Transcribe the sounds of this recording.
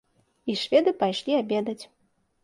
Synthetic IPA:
iʂvʲɛd̪ɨpajʂlʲiabʲɛd̪ɐt͡sʲ

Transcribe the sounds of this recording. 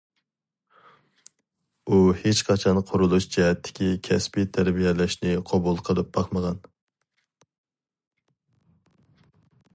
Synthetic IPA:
uhet͡ʃqʰɑt͡ʃʰɑnqʰʊɾulˠuʃd͡ʒɛɦɛt̪ʰːɪ̥kʲʰikʲʰɛspit̪ʰæɾbijɛlæʃnɪqʰɑbulˠqʰəlˠɨp̚b̥ɑχməʁɑn

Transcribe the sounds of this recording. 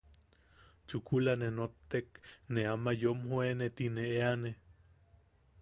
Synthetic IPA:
t͡ʃukʰulanenot̪ːekneamajomɦoenet̪ineeane

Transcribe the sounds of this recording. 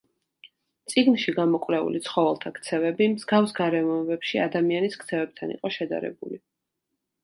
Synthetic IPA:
t̪sʼiɡnʃiɡamɔkʼvlɛṵlit̪sʰχɔvɛlˠt̪ʰakʰt̪sʰɛvɛbimzɡavsɡaɾɛmɔɛbɛpʃiad̪amianiskʰt̪sʰɛvɛb̚t̪ʰanḭqʼɔʃɛd̪a̰ɾɛ̰buli

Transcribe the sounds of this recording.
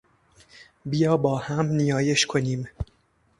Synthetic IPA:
bijɒːbɒːhæmnijɒːjeʃkʰoniːm

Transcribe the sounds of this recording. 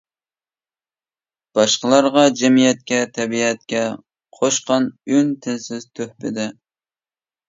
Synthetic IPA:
b̥ɑʃqəlˠɑɾʁɑd͡ʒɛmijɛt̪̚kʲɛt̪ʰɛbiɛt̪kʲɛ | qʰoʃqɑnynt̪ʰɪnsɪzt̪ʰøhpɪd̪ɪ

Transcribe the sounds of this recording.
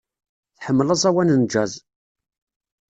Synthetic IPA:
θħəmːləsˤæwænənd͡ʒæz

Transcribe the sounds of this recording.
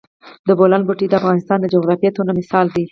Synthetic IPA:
d̪əbolanbuʈid̪əafɣɑnɪst̪ɑnd̪əd͡ʒoɣɾɑfijet̪onamɪsɑld̪i

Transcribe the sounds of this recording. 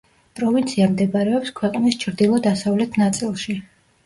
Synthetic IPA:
pʼɾɔvint̪sʰiamd̪ɛbaɾɛɔpskʰwɛqʼnist͡ʃʰɾd̪ilˠɔd̪asavlɛt̪ʰnat̪sʼilˠʃi

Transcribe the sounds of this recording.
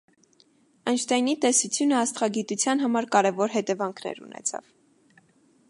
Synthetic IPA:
ənt͡ʃʰt̪ɛjnit̪ɛsut͡sʰjunəɑst̪χɑɡit̪ut͡sʰjɑnɦɑmɑɾkɑɾɛvɔɾɦɛt̪ɛvɑŋkʰnɛ̰ɾṵnɛ̰t͡sʰɑ̰v̥

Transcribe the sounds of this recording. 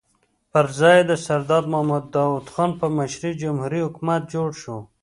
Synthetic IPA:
pəɾzɑjed̪əsaɾd̪ɑd̪mʊhamad̪ːɑwud̪xɑnpəmaʃɾid͡ʒʊmhuɾihʊkmat̪̚d͡ʒoɽʃo

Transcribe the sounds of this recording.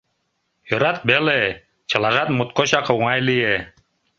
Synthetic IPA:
joɾɑt̪̚bele | t͡ɕɤ̆lˠɑʒɑt̪mut̪̚koɕɑqɤ̆wŋɑjlije

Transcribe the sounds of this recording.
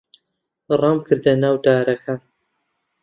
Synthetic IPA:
rˤɐmkʰɨɾd̪ɐnaːwd̪aːɾɐkʰan

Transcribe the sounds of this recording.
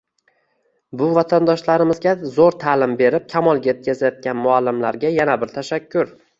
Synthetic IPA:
bʊvat̪ʰand̪ɒʃlaɾɪmɪzɡʲazoɾt̪ʰalɪmbe̞ɾɪp̚kʲʰamɒlˠɡʲajet̪̚kʰʲazajɒt̪̚ɡʲanmʊalːɪmlaɾɡʲajanabɪɾt̪ʰaʃakʲʰːʊɾ

